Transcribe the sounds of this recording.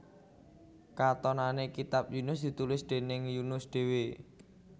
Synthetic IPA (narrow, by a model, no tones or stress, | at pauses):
kat̪ɔnanekit̪ap̚junʊsd̪̥i̤t̪ulɪsd̪̥e̤nɪŋjunʊsd̪̥e̤we